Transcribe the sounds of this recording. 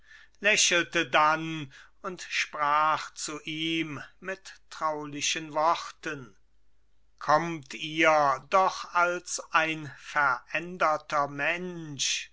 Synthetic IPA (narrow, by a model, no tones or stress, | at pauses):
lɛɕl̩tədan | ʊntʃpʁ̥aːχt͡suʔiːmmɪtːʁ̥aʊlɪʃənvɔχtən | kʰɔmtʰiːɐdɔχalsʔaɪnfɛɐʔɛndɐtɐmɛnʃ